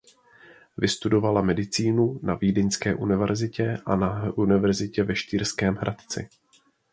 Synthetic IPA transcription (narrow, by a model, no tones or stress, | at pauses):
vɪst̪udo̞valamɛdɪt͡siːnunaviːdɪɲskɛːʔunɪvɛɾzɪcɛʔa̰naʔunɪvɛɾzɪcɛvɛʃt̪iːɾskɛːmɦɾat̪t͡sɪ̰